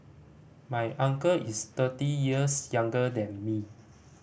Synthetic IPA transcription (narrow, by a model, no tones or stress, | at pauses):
majʔãŋkəʔistətijiəsjãŋɡədɛ̃nmi